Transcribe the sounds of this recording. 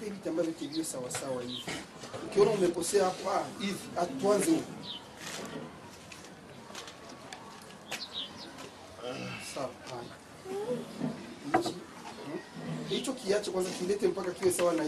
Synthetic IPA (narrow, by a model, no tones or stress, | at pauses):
peβitambavɔteβiwɛsawasawaivi | ŋ̩keɔlɔumepɔsɛaapaiviatwanzeu | sapana | it͡ʃi | it͡ʃɔkiat͡ʃɛkwanzakilɛtɛm̩pakakiwɛsawana